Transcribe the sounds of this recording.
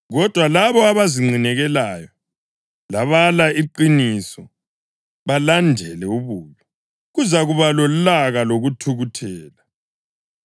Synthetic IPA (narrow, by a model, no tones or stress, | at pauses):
ɣɔd̥ʱwalaβɔaβaziŋ͡ǀʱinɛɣɛlaːjɔ | laβalaiǃinisɔ | βalandʱɛlɛuβuːlɔ | ɣuzaɣuβalɔlaɣaloɣutʰuɣutʰɛːla